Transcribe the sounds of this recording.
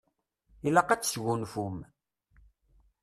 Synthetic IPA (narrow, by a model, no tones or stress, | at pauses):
ilaqat͡sːsɣunfum